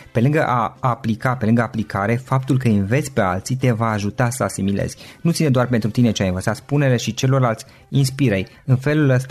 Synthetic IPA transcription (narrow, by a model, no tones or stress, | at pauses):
pe̞lɨŋɡəʔaːplikape̞lɨŋɡəaplikaɾe̞fap̚t̪ulkəinve̞t̪sʲpe̞a̰lt̪sit̪e̞vaːʒut̪asəasimilḛz̥ʲnut̪sined̪oarpent̪ɾut̪ine̞t͡ʃeajinvət̪sat̪spune̞le̞ʃit͡ʃe̞lo̞rlalt̪sʲ | inspiɾej | ɨnfe̞luləst̪